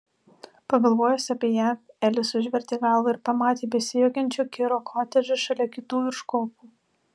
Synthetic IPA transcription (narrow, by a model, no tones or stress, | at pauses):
pɐɡɐlˠʋoːjɛsʲɐpʲiɛjæː | ɛlʲɪsʊʒʲʋʲɛɾʲt̪ʲeːɡɑˑlˠʋɐɪɾpɐmɑːt̪ʲeːbʲɛsʲɪjoːkʲɛnʲt͡ʃʲoːkʲɪɾoːkʰoːt̪ʲɛʒʲɛʃɐlʲɛkʲɪt̪uːɪɾʃkoːpuː